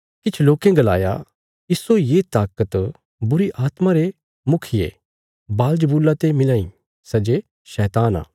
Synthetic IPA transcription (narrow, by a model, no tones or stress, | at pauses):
kɪt͡ʃʰloːkẽɡɐla̰ːja̰ | ɪsojet̪aːkət̪ | bʊɾiʔaːt̪maɾe | mʊkʰɪjḛ | baːld͡ʒəbuːlːat̪emɪlãːḭ̃ | sɛd͡ʒe | ʃɛːt̪aːna̰ː